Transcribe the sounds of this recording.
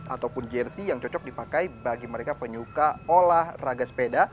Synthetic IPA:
a̰t̪awpʊnd͡ʒɛrsijaŋt͡ʃɔt͡ʃɔk̚dipakajbaɡiməɾekapəɲukaolahraɡaspeda

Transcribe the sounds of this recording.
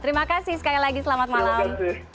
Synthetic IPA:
t̪əɾimakasɪhsə̥kalilaɡisəlamat̪̚malam

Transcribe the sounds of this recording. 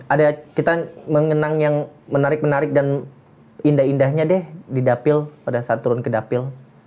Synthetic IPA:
adakit̪aməŋənaŋjaŋmənaɾɪk̚mənaɾɪk̚dan | indahindahɲadɛhdidapɪlpadasat̪ːuɾʊnkədapɪl

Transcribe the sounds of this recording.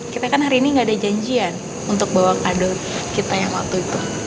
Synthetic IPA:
kit̪akanɦaɾiːniŋɡaːdad͡ʒaɲd͡ʒian | unt̪ʊk̚bawakadʊr | kit̪ajaŋmat̪uit̪u

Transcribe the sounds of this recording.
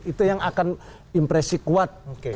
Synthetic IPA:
it̪ujaŋakan | impɾesikuat̪̚ke

